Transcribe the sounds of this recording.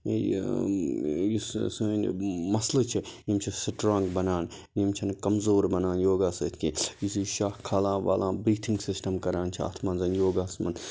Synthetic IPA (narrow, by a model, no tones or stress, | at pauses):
jissunmɐslɐt͡ʃʰijimt͡ʃʰisiʈɾãːŋɡbɐnaːn | jimt͡ʃʰɐnkɐmzoːɾbɐnaːnjoːɡaːsɐt̪ʰkijisiʃaːhkʰːaːlãːʋa̰ːlãːbɾiːt̪ʰiŋɡsisʈɐmkɐɾaːnt͡ʃʰia̰ːt̪ʰmanzɐnjoːɡaːsmɐ̰n